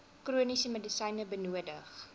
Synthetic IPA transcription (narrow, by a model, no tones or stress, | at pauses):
kruənisəmədisɐjnəbənuədəχ